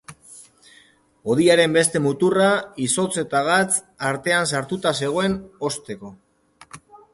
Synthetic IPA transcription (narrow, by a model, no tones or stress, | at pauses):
o̞ðiaɾe̞mbe̞st̪e̞mut̪uraiso̞t͡se̞t̪aɣ̞at͡s | aɾt̪e̞ansaɾt̪ut̪ase̞ɣ̞oe̞no̞st̪e̞ko̞